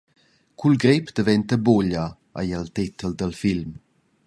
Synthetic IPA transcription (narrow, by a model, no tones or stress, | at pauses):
kʰulɡɾepd̪̥əvɛnt̪əboʎa | a̰jəlt̪it̪əld̪əlfilm